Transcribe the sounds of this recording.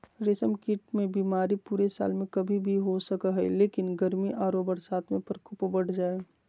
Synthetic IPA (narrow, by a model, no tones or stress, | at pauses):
ɾeːsəmkiʈmẽbiːmaːɾipuːɾesa̰ːlmẽkəbʱibʱiɦosəkəɦɛleːkɪnɡəɾmiʔaːɾobəɽsaːt̪mẽpəɾkʰʊpbəɽ̤ʰd͡ʒaːe